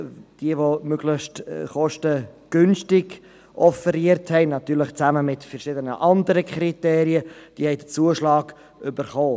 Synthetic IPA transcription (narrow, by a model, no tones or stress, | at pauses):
d̥iəvomøɡ̥lɪʃtχɔʃtəɡ̥ʏnʃtɪɡ | ʔɔfəɾiəɾthɛɪnɑt̪yːɾləχt͡sæməmɪtfɛɾʃɪdənəʔɑndəɾəkʰχɾiteːɾiəd̥iəhɛɪdət͡suːəʃlɑːɡ | ʏbəɾχoː